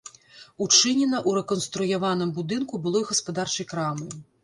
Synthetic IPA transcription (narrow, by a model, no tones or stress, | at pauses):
ut͡ʂɨnʲɛnɐʔuɾɛkɔnst̪ɾujavanɨmbud̪ɨnkubɨlˠɔjɣɐspad̪art͡ʂɐjkɾamɨ